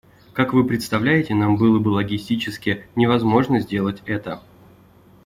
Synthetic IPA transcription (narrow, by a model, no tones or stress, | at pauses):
kakvɨpɾʲɪt̪st̪ɐvlʲæjɪtʲɪnambɨlˠəbɨlˠəɡʲɪsʲtʲit͡ɕɪskʲɪjənʲɪvɐzmo̞ʐnəzʲdʲe̞lˠətʲɛt̪ə